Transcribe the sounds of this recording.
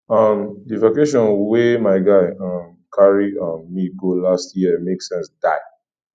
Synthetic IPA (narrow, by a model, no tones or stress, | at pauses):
ʌmdivakeʃ̬ɔ̃nwemaɪɡaɪʌ̃m | kʰaɹiɔ̃nmiɡolastjiəmeksɛ̃nsd̥aɪ